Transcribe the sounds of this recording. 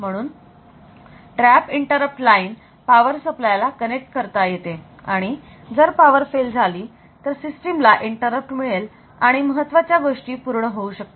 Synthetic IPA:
m̤əɽ̃uːn | ʈɾæpiɳʈəɾəp̚ʈlaiːn | paʋəɾsəplajlakənek̚ʈ̚kəɾt̪ajet̪e | aɽ̃i | d͡zəɾpaʋəɾfeld͡zʱaliː | t̪əɾsisʈimlaʔiɳʈəɾəp̚ʈmiɭel | aɽ̃iməɦət̪ːʋat͡ɕjaɡoʂʈiːpuɾɳəɦouɕək̚t̪e

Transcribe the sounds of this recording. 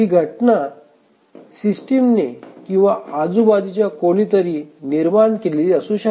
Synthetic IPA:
ɦiːɡʱəʈnaɾ | sisʈimnekĩw̃ʋaad͡zubad̪it͡ɕjakolit̪əɾiːniɾmaɳkeliləsũɕə

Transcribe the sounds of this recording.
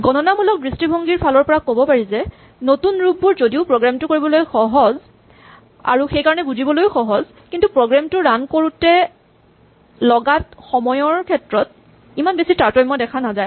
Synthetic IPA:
ɡɔnɔnamulɔk̚bɹistibʱɔŋɡiɹpʰalɔɹpɔɹakobɔpaɹizɛ | notunɹubːuɹzodiʊpɹoɡɹamtʊkoɹibɔlojxɔɦɔz | a̰ɹuxejkaɹɔnɛɡuzibɔlojxɔɦɔz | kintupɹoɡɹamtʊɹankoɹutɛ | lɔɡatxɔmɔjɔɹkʰɛtɹɔt̚ | imanbesitaɹtɔjmɔjdɛkʰanazaj

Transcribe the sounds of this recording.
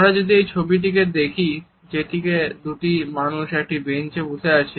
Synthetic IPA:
ɾad͡ʑod̪iejt͡ɕʰobiʈ̬ik̬ed̪ekʰi | d͡ʑeʈiked̪uʈimanuʃɛk̚ʈibent͡ɕebud͡ʒʰʱeat͡ɕʰi

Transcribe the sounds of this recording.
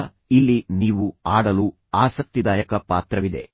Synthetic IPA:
ilːiniːʋuaːɽɐlu | aːsɐk̚t̪id̪aːjɐkɐpaːt̪ɾɐʋid̪e̞̰

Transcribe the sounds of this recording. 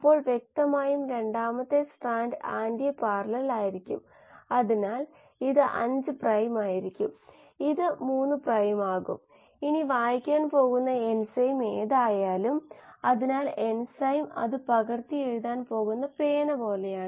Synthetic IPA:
ipːo̞ːɭʋjek̚t̪ɐmaːjumɾe̞ɳɖaːmɐt̪ːe̞sʈaːnɖaːndijɐpaːrlɐrilaːjiɾikʲːṵm | ɐðinaːl | iðɨʔɐ̰ɲd͡ʑɨprɐjmaːjiɾikʲːum | iðɨmuːnːɨprɐjmaːɣṵm | iniʋaːjikʲːaːnpo̞ːɣunːɐe̞nsɐjmeːðaːjaːlumɐðinaːlensɐjmɐ̰ðɨpɐɣɐrt̪ijeɻuðaːnpo̞ːɣunːɐpeːnɐbo̞ːlejaːɳɨ

